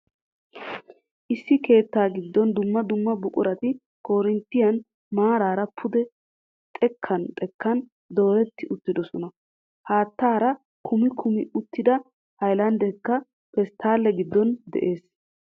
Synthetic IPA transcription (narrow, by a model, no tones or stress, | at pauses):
ʔɪsːɪke̞ːt̪ːaːɡɪd̪ːɔnd̪ʊmːɐd̪ʊmːɐbʊkʼʊɾɐt̪ɪ | kʰo̞ːɾɪnt̪ːɪjɐn | maːɾaːɾɐpʰʊd̪ɛ | t̪ʼɛkʰːɐnt̪ʼɛkːɐn | d̪o̞ːɾɛt̪ːɪʔʊt̪ːɪd̪ɔsɔnɐ | haːt̪ːaːɾɐ | kʰʊmɪkʰʊmɪʊt̪ːɪd̪ɐ | hɐjlɐnd̪ɛkːɐ | fɛst̪ʰaːlːɛɡɪd̪ːɔnd̪ɛ̰ʔe̞ːs